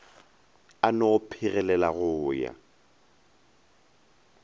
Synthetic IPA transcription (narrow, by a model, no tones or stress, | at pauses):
anɔpʰɪɣɛlɛlaɣʊːja̰